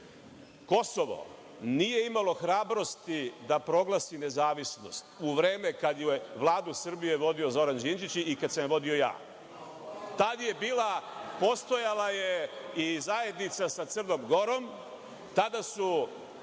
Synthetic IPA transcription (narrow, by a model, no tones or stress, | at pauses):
ko̞so̞ʋo̞̰ | niːje̞imalo̞xɾaːbɾo̞st̪id̪apɾo̞ɡlˠasine̞zaːʋisno̞̰st̪uʋɾe̞ːme̞kad̪jujeʋlˠaːd̪usr̩bije̞ʋo̞d̪io̞zo̞ɾand͡ʒind͡ʒit͡ɕikad̪samʋo̞d̪io̞ja̰ː | t̪ad̪je̞biːlapo̞st̪o̞jalajeizaje̞d̪nit̪sasat̪sr̩no̞ːmɡo̞ɾo̞m | t̪ad̪asu